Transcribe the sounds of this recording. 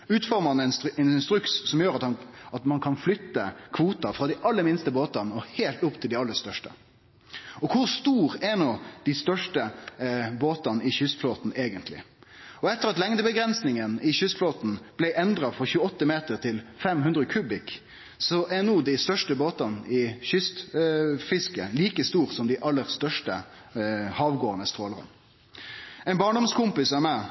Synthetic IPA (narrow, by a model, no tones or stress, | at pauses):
ʉːt̪fɔɾməɑnɛnsɛnɪnst̪ɾʉkssɔmjøːɾɑt̪hɑnɑt̪mɑnkʰɑnflʏt̪ːəkʰʋuːt̪ɑfɾɑd̪ɪʔɑlːəɾmɪnst̪əboːt̪ɑnɔheːlt̪ʊpt̪ʰɪld̪ɪɑlːəst̪œʂʈə̰ | ɔkʰʊɾst̪uːɾɛnoːd̪̥ɪst̪œʂʈə | boːt̪ɑnɪçʏsfloːt̪n̩eːɡənt̪ʰlɪ̰ | ɔɛt̪ːəʁɑt̪lɛŋd̪əbəɡɾɛnsnɪŋənɪçʏst̪floːt̪n̩b̥lɛɪʔɛnd̪ɾɑfɔʁçʉːəɔt̪ːəmeːt̪əɾt̪ʰɪlfɛmɦʉnd̪ɾəkʰʉːbɪk | sɔʔænuːd̪ɪst̪œʂʈəboːt̪ɑnɪçʏst̪fɪskəliːkəst̪uːɾsɔmd̪æɪʔɑlːəʁst̪œʂʈə | hɑːʋɡoːənəst̪ɾoːləʁə̰n | ɛɪnbɑːɳɖɔmskʊmpɪsæmæ